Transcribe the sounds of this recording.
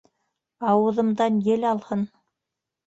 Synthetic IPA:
ɑwɤ̆ðɤ̆md̪ɑnjɘlɑlˠhɤn

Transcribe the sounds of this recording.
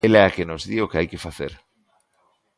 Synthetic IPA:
elɛakenozðiokeajkefaθḛɾ

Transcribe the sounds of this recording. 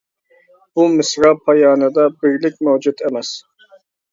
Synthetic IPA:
b̥umɪsɾɑpʰɑjɑːnɨd̪ɑbɪɾlɪk̚ʲmøwd͡ʒut̪ʰemɛs

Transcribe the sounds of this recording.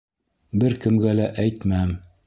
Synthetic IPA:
bɘɾkɘ̆mɡælæʔæjt̪mæm

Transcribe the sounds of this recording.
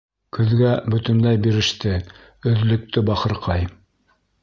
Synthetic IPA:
kɵ̆ðɡæbɵ̆t̪ɵ̆nlæjbiɾɘ̆ʃt̪ɘ | ɵ̆ðlɵ̆k̚t̪ɘbɑχɤ̆ɾqɑj

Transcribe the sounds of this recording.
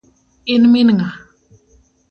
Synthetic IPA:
inminŋa

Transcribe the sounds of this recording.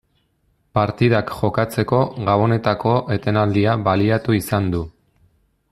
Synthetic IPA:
paɾt̪iðakʝo̞kat͡se̞ko̞ɣaβo̞ne̞t̪ako̞ʔe̞t̪e̞nald̪iaβaliat̪uisand̪u

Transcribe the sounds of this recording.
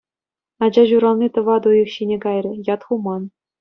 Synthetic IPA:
ɑd͡ʑɑʑuɾɑlˠnʲit̪ɤ̆ʋɑd̪ujɤ̆xɕinʲeɡɑjrʲɘ̆jɑt̪χumɑn

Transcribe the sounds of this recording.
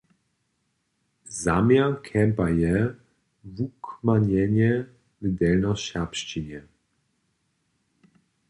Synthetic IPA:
zamjakʰɛmpajɛ | vukmaɲɛɲɛ | vɘd̪ɛlnɔɕɛpʃt͡ɕiɲɛ

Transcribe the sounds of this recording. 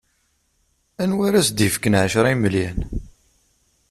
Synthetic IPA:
ænwaɾæsd̪ifkːənʕəʃɾˤiməljæn

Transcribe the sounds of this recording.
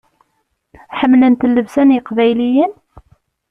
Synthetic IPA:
ħəmːlənt̪lːəvsænjəqvæjlijən

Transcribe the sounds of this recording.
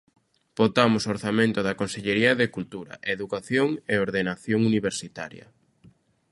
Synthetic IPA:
b̥ot̪amʊsoɾθamẽnt̪ʊðakonseʎeɾiɐðekult̪uɾɐ̰ʔeðukaθjoŋeoɾðenaθjoŋuniβeɾsit̪a̰ɾjɐ̰

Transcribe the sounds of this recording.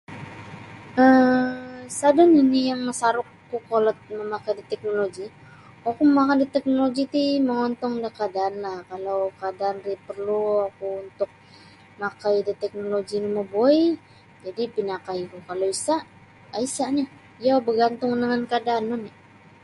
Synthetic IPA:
ə | sadaninijaŋməsaɾʊkːukolɔt̪̚məmakajdit̪ɛk̚noloɡi | wakuməmakandit̪ɛk̚noloɡit̪iməŋɔnt̪ɔŋdakadaːnlahkalawkadaːnripərluakuːnt̪ʊk̚ | makajdit̪ɛk̚noloɡiniməboi | d͡ʒadipinakajkukalowisaʔ | aisaɲa | ijawbəɡant̪ʊŋnəŋankadaːnɔni

